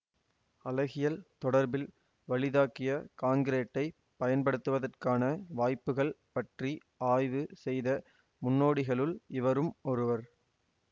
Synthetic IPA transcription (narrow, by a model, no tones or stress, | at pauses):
ɐlɐɣɪjɐlt̪ɔɽɐɾbɪl | ʋɐɭɪðaːkɪjɐkaːŋɡɪɾeːʈːɐɪ | pɐjɐnpɐɽɯt̪ːɯʋɐðɐrkaːnɐʋaːjpːɯɣɐɭpɐʈri | aːjʋɯsɛjðɐ | mʊnːoːɽɪɣɐɭɯlɪʋɐɾɯmɔɾɯʋɐɾ